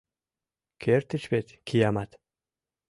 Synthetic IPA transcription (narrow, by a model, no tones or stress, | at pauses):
kʰert̪ʰɨt͡ʃpet̪kʰijamat̪